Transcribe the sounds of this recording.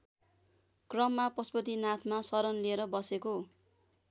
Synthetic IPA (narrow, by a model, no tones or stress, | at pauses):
krʌmːapʌspʌt̪̬inat̪ʰmasʌɾʌnlieɾʌbʌseko